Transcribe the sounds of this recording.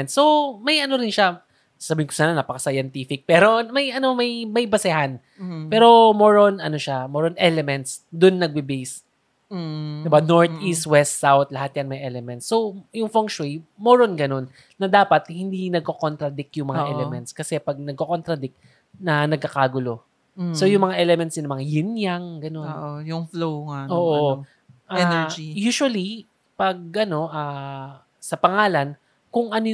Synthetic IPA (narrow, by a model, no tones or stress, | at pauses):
nt̪sːo̞mɐjɐno̞ɾɪnʃa | sasɐbiːhɪnkʊ̥saːnanɐpɐkɐsɐjɐnt̪ifɪk̚pɛɾo̞mɐjɐnomɐjmɐjbɐsɛhan | pɛːɾo̞moɹonɐno̞ʃamoɾonʔɛlɛmɛnt̪sd̪ʊnːɐɡ̚bɪbɛjs | d̪ɪbanoɹt̪ʔist̪̚wɛst̪sawt̪̚lɐhat̪̚janmɐjʔɛlɛmɛnt̪sːo̞wjʊŋfoŋkʃemoɾonɡɐno̞nː | ɐd̪aːpɐt̪̚hɪnd̪inɐɡ̚kokont̪ɾɐd̪ɪk̚t̪jʊŋmɐŋaʔɛlɛmɛnt̪skɐsɛpɐɡ̚nɐɡ̚kokont̪ɾɐd̪ɪk̚ | nɐnɐɡ̚kːɐkaːɡʊlo̞ | so̞jʊŋmɐŋaʔɛlɛmɛnt̪sɪnmɐŋjɪnjaŋɡɐnonʔojʊŋfloŋaʔoːʔo | ʔaɛd͡ʒijuːʃwɐli | pɐɡ̚ʔɐno̞ʔaː | sɐpɐŋaːlɐn | kʊŋʔɐno